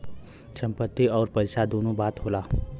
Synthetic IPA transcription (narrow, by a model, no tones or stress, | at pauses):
t͡ʃə̃mpət̪ːiɔːɾpəɪsad̪oːnõbaːt̪ɦoːlaː